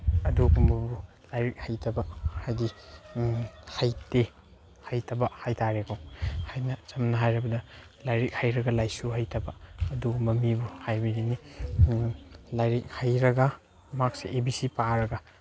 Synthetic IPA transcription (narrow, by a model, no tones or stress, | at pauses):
ɐduɡumbɐbu | lajɾik̚hajtʰɐbɐhajdi | hajte | hajtʰɐbɐhajtʰaɾekowhajnɐt͡ʃɐmnɐɦajɾɐbɐdɐ | lajɾik̚hajɾɐɡɐlajsuhajtʰɐbɐɐduɡumbɐmibuhajbiɾini | lajɾik̚hajɾɐɡɐ | mak̚seʔebisipaɾɐɡɐ